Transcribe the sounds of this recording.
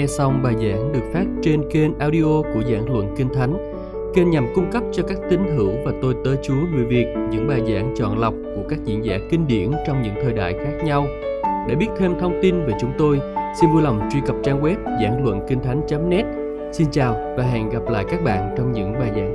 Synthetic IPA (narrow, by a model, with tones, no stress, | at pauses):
ɛ˧sa˧wŋ͡mɓaː˨˩jza̰ː˧˥ŋɗɨ˨˩ək̚faː˦˥t̚t͡ɕe˧nke˧nʔaː˧wɗi˧ʔʔo˧ku˧˩əza̰ː˧˩˥ŋlwə̰˧˨nkï˧ŋ̟t̪ʰa˨˦jŋ̟ | ke˧nɲa˨˩mkʊ˧ŋ͡mkə˦˥p̚t͡ɕɔ˧kaː˦˥k̚t̪ï˨˦ŋ̟hɨ˧˩əwvaː˨˩t̪o˧jt̪əː˨˦jt͡ɕu˨˦əŋɨ˨˩jvi˨˩ək̚ɲɨ̰˧˥ŋɓaː˨˩jza̰ː˧˥ŋt͡ɕɔ̰˧˨nla˨˩wk͡p̚ku˧˩əkaː˦˥k̚zḭ˧˥ənza̰ː˧˩kï˧ŋ̟ɗḭ˧˩ənt͡ɕɔ˧wŋ͡mɲɨ̰˧˥ŋt̪ʰəː˨˩jɗa̰ː˧˨jxaː˦˥k̚ɲa˧w | ɗḛ˧˩ɓi˦˥ət̚t̪ʰe˧mt̪ʰə˧wŋ͡mt̪i˧nve˨˩t͡ɕʊ˨˦ŋ͡mt̪o˧jsi˧nvu˧jla˨˩wŋ͡mt͡ɕwi˧kə˨˩p̚t͡ɕaː˧ŋɣwɛ˦˥p̚za̰ː˧˩ŋlwə̰˧˨nki˧ŋ̟t̪ʰa˨˦jŋ̟t͡ɕaː˨˦mnɛ˦˥t̚ | si˧nt͡ɕaː˨˩wvaː˨˩ɦɛ̰˧˨nɣa˨˩p̚la̰ː˧˨jkaː˦˥k̚ɓa̰ː˧˨nt͡ɕɔ˧wŋ͡mɲɨ̰˧˥ŋɓaː˨˩jza̰ː˧˥ŋ